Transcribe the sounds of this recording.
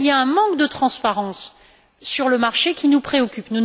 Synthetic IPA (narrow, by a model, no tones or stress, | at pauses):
lijaɛ̃mɑ̃kd̪ət̪χɑ̃spaʁɑ̃sː | yʁləmaʁʃekʲinupχeɔkʲypnun